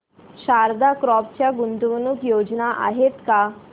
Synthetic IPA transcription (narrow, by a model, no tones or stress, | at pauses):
ɕaɾd̪akɾɔp̚t͡ɕjaɡunt̪uʋənukjod͡ʑnaʔa̰ɦet̪ka